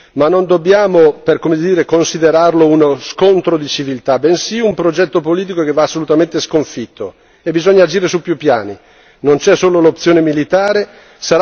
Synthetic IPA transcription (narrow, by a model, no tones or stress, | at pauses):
manːond̪objaːmoperkomed̪iːɾekonsid̪eɾarlounoskont̪ɾod̪it͡ʃivilt̪abensiumpɾod͡ʒɛt̪ːopoliːt̪ikokevːaːsːolut̪ament̪eskoɱfit̪ːo | ebizɔɲːaːd͡ʒiːɾesupːjupːjaːni | nont͡ʃɛsoːlolopt̪ːjoːnemilit̪aːɾe | saɾ